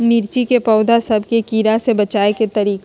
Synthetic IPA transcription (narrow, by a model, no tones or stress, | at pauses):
mɪɾt͡ʃikepɐʊd̪ʱasɐbʱkekiːɾasebɐt͡ʃaːeket̪ɐɾiːk